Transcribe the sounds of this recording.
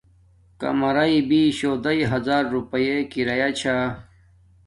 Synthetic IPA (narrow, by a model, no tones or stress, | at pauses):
kɐ̰mɐɾɐibiɕoːd̪ɐiɦɐzaːɾːupɐjekiɾɐjat͡ɕʰa